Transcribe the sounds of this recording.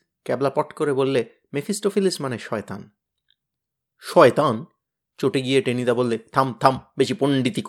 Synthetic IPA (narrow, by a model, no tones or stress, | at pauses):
kɛblapɔʈkoɾebolːe | mefʰisʈofilismaneʃɔet̪a̰n | ʃɔet̪an | t͡ɕoʈeɡijeʈenid̪abolːet̪ʰamt̪ʰambeʃipoɳɖit̪ik